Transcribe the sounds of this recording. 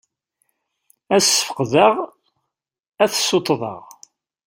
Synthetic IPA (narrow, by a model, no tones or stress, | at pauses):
æsə̥fə̥qðəʁ | æθsːot̪ˤːðˤɑ̰ʁ